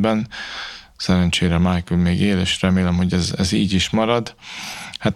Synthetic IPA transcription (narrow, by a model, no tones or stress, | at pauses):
bɛn | sɛɾɛnt͡ʃeːɾɛmaːjkylmeːɡeːleːʃrɛmeːlɛmho̞ɟɛzɛ̰ziːɟiʃmɒɾɒd̪hat̪